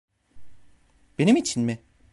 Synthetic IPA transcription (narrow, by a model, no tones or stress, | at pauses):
b̥e̞nimit͡ʃʰinmɪ